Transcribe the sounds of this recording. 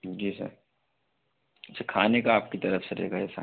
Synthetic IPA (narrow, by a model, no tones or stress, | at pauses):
d͡ʒiːsɐ̰ɾ | ɐt͡ʃʰakʰaːnekaːp̚kit̪ɐɾəfseɾḛːɡaɛsa̰